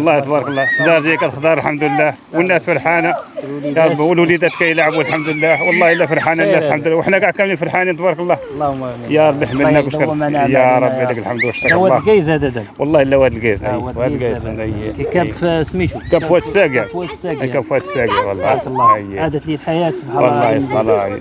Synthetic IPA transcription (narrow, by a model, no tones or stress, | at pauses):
lˤːɑhit̪ˤbɑɾˤɑklˤːɑsd̪ɑɾˤʒijækæt̪əxt̪ɑɾˤəlħamd̪əlːæh | wənːæsfəɾˤħanajɑɾˤbwəlwlid̪æt̪kæjlʕəbuælħamd̪lːæwɑlˤːɑhəlːæfəɾħanalːæslħamd̪ulːwəħnækæʕkæmnifəɾħanint̪ˤbɑɾˤɑklˤːɑlː | jɑɾˤbːiħmːənækwʃæjɑɾˤɑbːid̪əkəlħamd̪wæʃɑɾwɑɡæjzæd̪æd̪əwɑlˤːɑhəlːæwhæd̪əlɡæzʔjhæd̪ɡjzjkæfsmiʃkæbfwæt̪ə̥sæɡæækæbfwæt̪ə̥sːæɡawɑlˤːɑlːəjːæʕad̪ət̪lilħajæt̪sbħɑwɑlˤːɑjɑlˤɑj